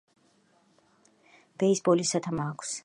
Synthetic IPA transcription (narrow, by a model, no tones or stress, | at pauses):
b̥ɛisbɔlisat̪ʰamakʷʰs